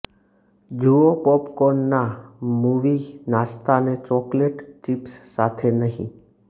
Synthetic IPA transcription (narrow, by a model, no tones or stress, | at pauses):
d͡ʒuopɔpkɔnːamuʋinast̪anet͡ʃɔkleʈt͡ʃipsːat̪ʰenəɦḭ̃